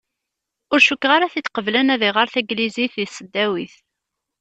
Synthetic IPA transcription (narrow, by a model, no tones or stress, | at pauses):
ʊɾʃukːʁaɾaθit̪ːqəvlænæðiʁəɾθæɡliziθiθsəd̪ːæwiθ